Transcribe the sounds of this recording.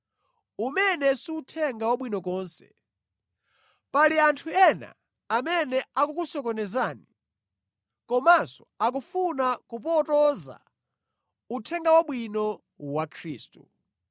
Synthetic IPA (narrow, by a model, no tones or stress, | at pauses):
umɛnɛsiutʰɛŋɡawaɓwinɔkɔːnsɛ̥̰ | paliantʰuɛna̰ː | mɛnɛakukusɔk̬ɔnɛzaːni | kɔmasɔ̥ak̬ufunakupɔtɔza̰ | utʰɛŋɡawaɓwinɔ | wakʰɾiːstu